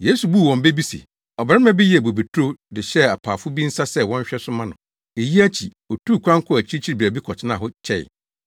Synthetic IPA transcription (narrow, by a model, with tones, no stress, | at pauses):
je˦su˨bu˦˨wɔ̃˨m˨be˦bi˦sḛ˨ | ɔ˨bɾɪ˦mã˦bɪ˦ji˦˨bo˨be˨tʰu˦ɾo˦dɪ˨ɕɛ˦a˨pʰaː˨fʊ˦bi˦n̩˦sa˦sɛ˦wɔ̃˦ɲ˦ɕᶣɛ˦sʊ˦mã˦nʊ̃˨ | e˨ji˦æ˦t͡ɕʰi˨ | ɔ˨tʰu˦˨kʰʷã˦ŋ˦kʰʊ˦˨æ˨t͡ɕʰi˦t͡ɕʰi˦ɾi˨bi˨æ˨bi˦kʰɔ˨t͡ɕʰɪ˦nã˦˨ɦʊ˦t͡ɕʰɛ̰˦˨j̰